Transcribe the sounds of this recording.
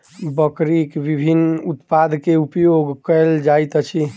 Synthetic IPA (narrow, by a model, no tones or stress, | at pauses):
bəkɾikbibʱinut̪pad̪ʱkeupjoɡkəld͡ʒajt̪t͡ʃʰi